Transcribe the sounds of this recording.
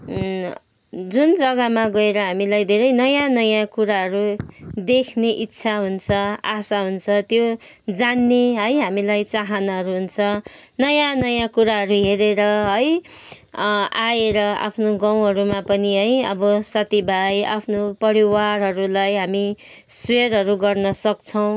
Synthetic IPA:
d͡zund͡zʌɡʌmaɡʌeɾʌɦamilajd̪ʱeɾʌjnʌjãnʌjãkuɾaɦʌɾud̪ekʰneʔitːsʰaɦunt͡sʰʌasaɦunt͡sʰʌt̪jo | d͡zanːeɦʌjɦamilajt͡saɦʌnʌɦʌɾuɦunt͡sʰʌnʌjãnʌjãkuɾaɦʌɾuɦeɾeɾʌɦʌj | ajeɾʌa̰pʰnoɡãw̃ɦʌɾumapʌniɦʌjʌ̰bʌsʌt̪ibʱaja̰pʰnopʌɾiwarɦʌɾulajɦami | swerɦʌɾuɡʌrnʌsʌk̚t͡sʰʌw̃

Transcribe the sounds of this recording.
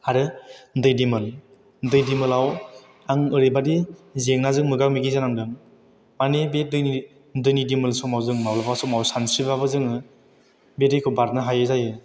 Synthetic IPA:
haɾɯndɯjdimɯl | ndɯjdimɯlaw | aŋɯɾɯjbadizeŋnazɯŋmɯɡak̚miɡizanaŋdɯŋ | manebedɯjn | ndɯjnidimɯlsɔmawzɯŋmawlapʰasɔmawsansibaβɯzɯŋɯ | bedɯjkʰɯbaɾ̚naɦajɯzajɯ

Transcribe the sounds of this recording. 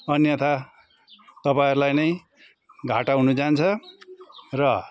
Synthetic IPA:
ʌnjʌt̪ʰa | t̪ʌpaĩɾulajnʌj | ɡʱaʈaɦunud͡zant͡sʰʌ | rʌ

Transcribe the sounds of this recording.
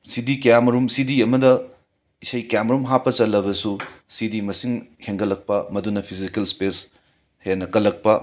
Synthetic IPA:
sidikɐjamɐɾumsidiɐmɐdɐ | isɐjkɐjamɾumɦapːɐt͡ʃɐlːɐbɐsusidimɐsiŋheŋɡɐlːɐk̚pɐmɐdunɐpʰizikelspes | henːɐkɐlːɐk̚pɐ

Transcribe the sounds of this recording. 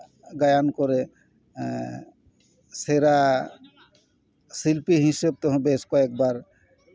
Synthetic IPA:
ɡajankoɾe | seɾa | silpiɦiseb̚t̪ɔɦõbeskɔek̚baɾ

